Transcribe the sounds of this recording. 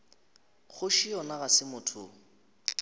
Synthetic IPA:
χʊʃiɔnaɣasɪmʊtʰʊ̰

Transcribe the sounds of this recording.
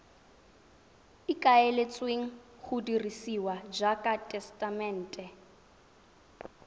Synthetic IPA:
ɪkʼaɛlet͡sʼweŋ̩ | χʊdirisiwad͡ʒakʼatʼɛstʼamɛn̩ːtʼɛ

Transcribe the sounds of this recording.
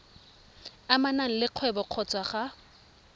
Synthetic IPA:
amanaŋ̩lɪq͡χʰwɛbɔq͡χʰɔt͡sʼwaχa

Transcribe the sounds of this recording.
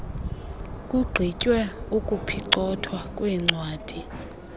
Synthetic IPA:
kʼuɡ͡ǀʱicʼwɛukʼupʰiǀɔtʰwakʼwɛŋ͡ǀʱwaːd̥ʱi

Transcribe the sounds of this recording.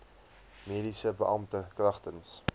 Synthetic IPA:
miːɾisəbəʔɐmtəkrɐχtəns

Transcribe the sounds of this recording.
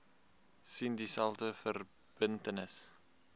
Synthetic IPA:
sindisælˠtəfər | b̥əntənəs

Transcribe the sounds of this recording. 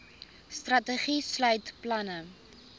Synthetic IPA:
strɐtəχislœɥtplɐnə

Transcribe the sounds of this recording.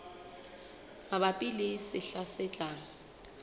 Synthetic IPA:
mabapʼilɪsɪɬasɛt͡ɬʼaːŋ̩

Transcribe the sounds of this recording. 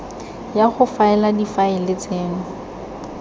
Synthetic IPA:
jaχʊfaɛladifaɪlɪt͡seːŋ̩

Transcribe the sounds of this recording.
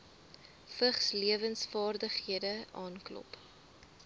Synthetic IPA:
fəχsliəvənsfɑːrdəχhiədəʔɑːnklɔ̰p

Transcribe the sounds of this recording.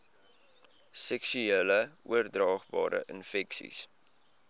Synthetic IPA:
sɛksyeːləuərdrɑːχbɑ̰ːɾə̰ʔənfɛksḭs

